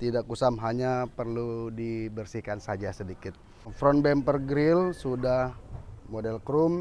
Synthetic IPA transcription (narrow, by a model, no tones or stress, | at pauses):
t̪idakusamɦaɲapərludibərsihkansad͡ʒasədikɪt̪̚ | fɾɔnbɛmpərɡɾɪlsudahmodɛlkɾum